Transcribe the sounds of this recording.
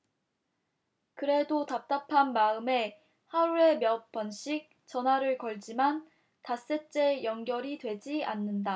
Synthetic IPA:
kɯɾe̞dotap̚t͈apʰanmaɯme̞ | haɾue̞mjʌk̚p͈ʌnɕ͈ʰik̚ | t͡ɕʌnɦwaɾɯɭkʌɭd͡ʑiman | tas͈e̞t͡ɕ͈e̞jʌŋɡjʌɾidwe̞d͡ʑianːɯnda

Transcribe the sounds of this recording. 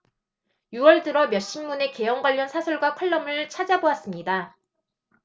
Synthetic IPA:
juʌɭdɯɾʌmjʌɕ͈inmune̞ke̞jʌŋɡwaʎːʌnsʰasʰuɭɡwakʰwaɭːʌmɯɭt͡ɕʰad͡ʑaboas͈ɯmɲida

